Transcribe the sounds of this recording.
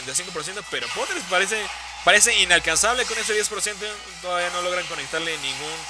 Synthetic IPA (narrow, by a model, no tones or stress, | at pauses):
ent̪ajsiŋkopo̞ɾs̬jent̪ope̞ɾo̞pot̪eɾespaɾes̬e | paɾe̞s̬e̞inalkansaβlekone̞s̬eðje̞spo̞ɾsje̞nt̪̬o | t̪oðaβiano̞lo̞ɣɾaŋko̞nek̚t̪aɾle̞nĩŋɡun